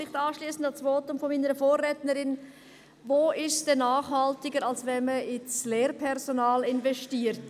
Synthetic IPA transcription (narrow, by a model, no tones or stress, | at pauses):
ɪχtɑːʃliːsən̩dɑsvoːtʊmfomiːnəɾəfoːrːɛːtnəɾɪn | voːɪʃd̥ɛnːaːχhɑltɪɡəɾɑlsvɛnməɪsleːɾpʰɛɾsonaːlɪnvɛʃtiːəɾt